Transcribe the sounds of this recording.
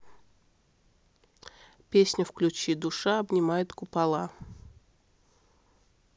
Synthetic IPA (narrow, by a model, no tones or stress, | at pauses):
pʲesʲnʲəfklʲʉt͡ɕid̪ʊʂaɐbnʲɪmajɪt̪kʊpɐlˠa